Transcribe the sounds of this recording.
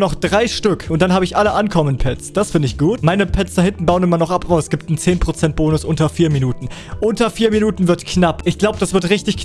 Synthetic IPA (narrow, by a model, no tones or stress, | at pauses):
nɔχd̥ʁaɪʃtʏkʰʔʊnt̚d̥anhaːbəɪçʔaləʔankʰɔmənpʰɛt͡sd̥asfɪndəɪçɡ̥uːtmaɪnəpʰɛt͡sd̥ahɪntn̩baʊənɪmɐnɔχʔapaʊɛsɡ̥iːp̚tn̩t͡seːnpʁ̥ot͡sɛnt̚b̥oːnʊsʔʊntɐfiːɐminuːtn̩ | ʔʊntɐfiːɐminuːtn̩vɪɐtkʰnapʔɪçɡ̥laʊbəd̥asv̥ɪɐtʁɪçtɪçk